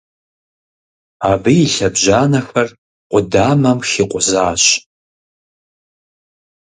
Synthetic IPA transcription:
aːbɨjːɬɐbʒaːnɐxɐr | qʷʼʊdaːmɐmxiqʷʼʊzaːɕ

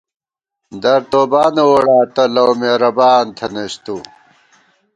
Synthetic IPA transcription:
d̪ɐɾt̪oːbaːnewoɽaːt̪ɐlɐwmeɾɐbaːnt̪ʰɐnest̪u

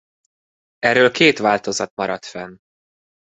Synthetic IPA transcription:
ɛrøːlkeːt̪ʋaːlt̪o̞zɒt̪̚mɒɾɒt̪fɛn

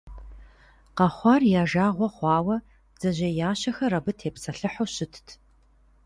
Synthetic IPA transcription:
qɐχʷɑːrjaːʒaːʁʷɔχʷɑːwɐ | d͡z̥ɐʑɐjaːɕɐxɐrɐbɨtʰeːpsɐɬɨħoɕɪtʰtʰ

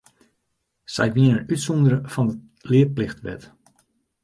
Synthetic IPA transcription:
sɛ̰jʋiənənytsɔndəɾəfɔndə | lɪət̚plɪxtʋɛ̰t

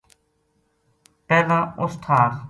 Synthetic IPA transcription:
pɛːlãːʊst̪ʰaːɾ

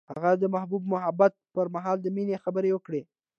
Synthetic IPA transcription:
ha̰ɣad̪əmahbubmʊɦabat̪̚pəɾmaɦɑld̪əminexabəɾewəkɽe

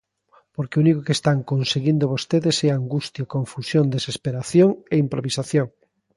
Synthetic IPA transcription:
poɾkeunikokest̪aŋkonseɣind̪oβost̪eðesɛaŋɡust̪jakõɱfusjond̪esespeɾaθjoŋeimpɾoβisaθjoŋ

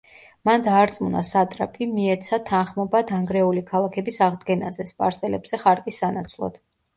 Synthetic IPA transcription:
mand̪aːɾt̪sʼmuna̰sat̪ʼɾapʰimiɛɾt̪sʰat̪ʰanχmɔbad̪aŋɡɾɛulikʰalˠakʰɛbisaʁd̪ɡɛnazɛspʼa̰ɾsɛlɛbz̥ɛχaɾkʼisanat̪sʰlˠɔ̰d̪̥

